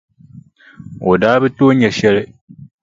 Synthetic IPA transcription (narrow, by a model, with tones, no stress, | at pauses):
o˨daː˦bɪ˦toː˦ɲɛ˨ʃɛ˦lɪ˦